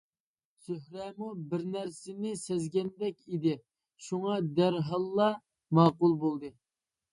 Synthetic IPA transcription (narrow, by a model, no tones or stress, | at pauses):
søhɾɛmubɪɾnæɾsɪnɪsɛzɡʲɛnd̪ɛkʲid̪ɪ | ʃuŋɑd̪æɾɦɑlˠːɑ | mɑːqʊlˠbolˠd̪ɨ